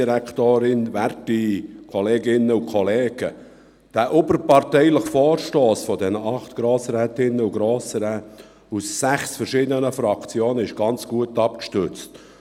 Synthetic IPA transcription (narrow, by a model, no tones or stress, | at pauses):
iɾæktoːɾɪnværtikʰɔleːɡɪnːəukʰɔleːɡ̥ə | d̥æːʔʊbəɾpɑrtɛɪləχfɔːɾʃtoːsfɔdɛnəʔɑχt̪ɡ̥ɾoːsɾɛːt̪ɪnːəuɡɾoːsəɾɛ | usːæχsfɛɾʃiːd̪ənəfɾɑkt͡sjoːnəɪʃɡ̥ɑnt͡sɡ̥uətːɑp̚kʃtʏt͡st